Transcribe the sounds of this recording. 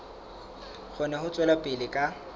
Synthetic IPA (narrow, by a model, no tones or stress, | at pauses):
χʊnɛɦʊt͡sʼwɛlapʼɪlɪkʼa